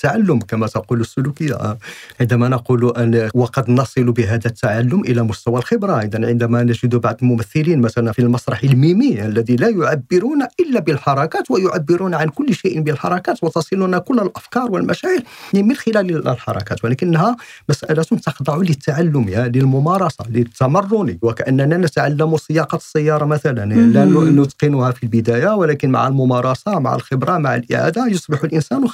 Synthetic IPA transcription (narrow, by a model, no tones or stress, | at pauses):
t̪ːaʕalːʊmkæmæt̪ɑqulusːʊlukəjːa̰ʕənd̪æmænɑquluʔəwɑqɑd̪nɑsˤɨlubəɦæd̪æt̪ːaʕalːʊmʔəlæmʊst̪æwælxəbɾˤɑʔəd̪ænʕənd̪æmænəʒəd̪ubaʕd̪əlmʊmæθːɪlinmæt̪ælænfilmɑsˤɾˤɑħəlmimiʔəlːæd̪ilæjʊʕabːɪɾunæʔəlːæbəlħɑɾˤɑkæt̪wəjʊʕabːɪɾunʕankʊlːʃeʔbəlħɑɾˤɑkæt̪wət̪ɑsˤɨlunækʊlːælʔəfkɑɾˤwəlmæʃæʕəɾmənxəlæləəlħɑ̰ɾˤɑ̰kæ̰t̪wəlækənːhæmæsʔælæt̪ʊnt̪ɑxd̪ˤɑʕulət̪ːaʕalːʊmjaləlmʊmɑɾˤɑsˤɑ̰lət̪ːæmɑrˤːuniwəkæʔənːænænət̪ʕalːəmusˤəjːɑqɑsˤːəjːɑɾˤɑmæt̪ælənlʔənːuʔənːut̪qinuhæfilbəd̪æjawəlækənma̰ʕalmʊmɑɾˤɑsɑma̰ʕə̰lxəbɾɑmaʕa̰lʔə̰ʕa̰d̪ajosˤbəħulʔənsænw